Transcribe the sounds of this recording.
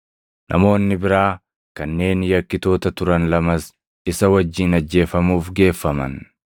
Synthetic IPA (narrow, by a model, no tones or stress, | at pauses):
nʔɐ̰mo̞ːnːɪbɪɾaː | kɐnːe̞ːnjɐkːɪt̪o̞ːt̪ɐt̪ʊɾɐnlɐmɐs | ɪsɐwɐd͡ʒːiːnɐd͡ʒːe̞ːfɐmuːfɡe̞ːfːɐmɐ̰n